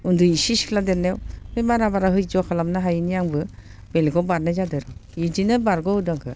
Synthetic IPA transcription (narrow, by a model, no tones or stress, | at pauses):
unduisiskʰladenewmemaɾabaɾaɦɯjd͡ʒɔkʰalamnaɦajinijaŋbɯ | belɡɔbaɾnajzadɯɾɯid͡ʒinɯbaɾɡɔɯdaŋkʰɯ